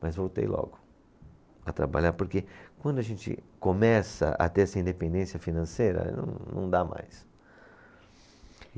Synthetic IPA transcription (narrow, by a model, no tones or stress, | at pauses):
mʔɐzvowt̪ḛjlʔɔ̰ɡʊ | ɐt̪ɾa̰baʎaɾpoɾkekwɐ̃nd̪ʊɐʒẽnt͡ʃɪ̰komɛsɐ̰ʔɐ̰t̪eɾɛsɐĩnd̪epẽnd̪ẽsjɐfinɐ̃sejɾɐ̰nɐ̰̃w̃nɐ̰̃w̃d̪ama̰js